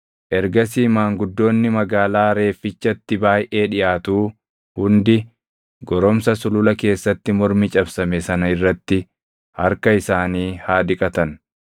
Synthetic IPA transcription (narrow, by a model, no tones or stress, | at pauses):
ʔɛɾɡɐs̬iːmaːŋɡʊd̪ːo̞ːnːɪmɐɡaːlaːɾe̞ːfːɪt͡ʃːɐt̪ːɪbaːjʔe̞ːᶑɪʔaːt̪uː | hʊnd̪ɪ | ɡɔɾɔmsɐsʊlʊlɐke̞ːsːɐt̪ːɪmɔɾmɪt͡ʃʼɐbsɐmɛsɐnɐɪrːɐt̪ːɪ | hɐɾkɐɪsaːniːhaːd̪ɪkʼɐt̪ɐn